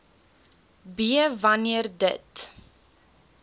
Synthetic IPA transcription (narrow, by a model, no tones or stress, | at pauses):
biəvɐniərdə̰t